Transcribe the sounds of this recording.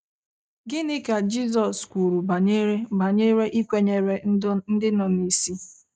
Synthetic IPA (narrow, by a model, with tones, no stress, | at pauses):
ɡɪ˦nɪ˦ka˨d͡ʒi˦zɔ˨skʷu˨ɾu˨ba˨ɲe˦ɾe˦ba˨ɲe˦ɾe˦ʔi˦kʷe˦ɲe˨ɾe˨n̩˦dɪ˦nɔ˨ni˨si˦